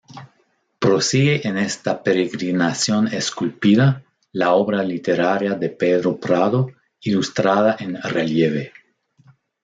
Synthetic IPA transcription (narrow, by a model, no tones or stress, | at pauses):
pɾosiɣeʔenest̪apeɾeɣɾinasjoneskulpiða | laoβɾalit̪eɾaɾjaðepeðɾopɾaðo | ilust̪ɾaðaʔenreljeβe